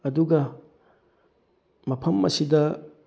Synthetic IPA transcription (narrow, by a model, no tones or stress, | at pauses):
ɐduɡɐ | mɐpʰɐmːɐ̰sidɐ